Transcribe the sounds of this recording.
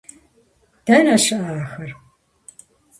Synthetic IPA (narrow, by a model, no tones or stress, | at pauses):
d̥ɐnɐʃɐʔaːxɐr